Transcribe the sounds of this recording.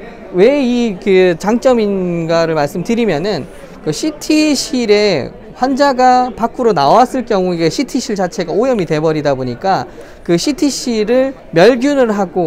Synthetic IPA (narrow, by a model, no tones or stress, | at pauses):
we̞ikɯt͡ɕaŋt͡ɕ͈ʌminɡaɾɯɭmaɭs͈ɯmtɯɾimjʌnɯn | kɯɕʰitʰiɕʰiɾe̞ | ɸwand͡ʑaɡapakʰɯɾonawas͈ɯɭk͈jʌŋue̞ɕʰitʰiɕʰiɭt͡ɕat͡ɕʰe̞ɡaojʌmite̞bʌɾidaboɲik͈a | kɯɕʰitʰiɕʰiɾɯɭ | mjʌɭɡjunɯɭɦaɡo